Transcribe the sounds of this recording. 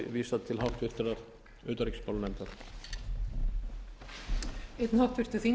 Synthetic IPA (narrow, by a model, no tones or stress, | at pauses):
viːsat̪ʰɪlɦawft̪vɪr̥t̪ɪɾaɾ | ʏːt̪aɾikspawlnɛnt̪aɾ̥ | ejt̪nhawft̪vɪɾ̥t̪ʏθiŋ